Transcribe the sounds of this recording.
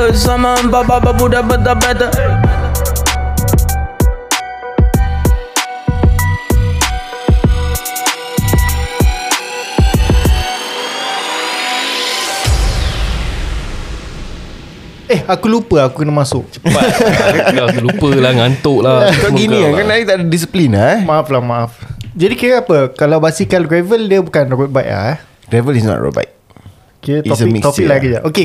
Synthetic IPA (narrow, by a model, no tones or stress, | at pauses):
samababababudabat̪abat̪a | ehakulupəakukənamãsʊk̚t͡ʃə̥pa | akulupəlahŋant̪ʊʔlaakabɡinĩakanait̪aʔdadis̬əplinamaaflahmãafd͡ʒadikiɾəapəkalawbasikanɡɹɛvəldiəbukanɾut̚bajʔa̰ | ɡ̥ɹɛvəlisnɔ̰tɹo̰ba̰jt̚ | kiət̪ɔsəmikt̪ɔpik̚laɡid͡ʒaʔoke